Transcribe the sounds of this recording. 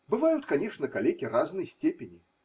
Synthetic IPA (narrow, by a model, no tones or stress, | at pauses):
bɨvajut̪kanʲɛʂnɐkalʲekʲiraznɨjsʲt͡sʲepʲɪnʲi